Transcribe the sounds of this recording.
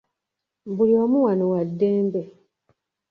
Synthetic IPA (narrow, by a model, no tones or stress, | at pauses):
buliomuwanowadːeːmbe